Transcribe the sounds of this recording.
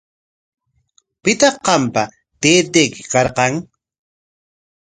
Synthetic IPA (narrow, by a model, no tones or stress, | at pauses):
pɪt̪ɑqːɑmpa | t̪eːt̪ekɪ̥kɑɾqɑŋ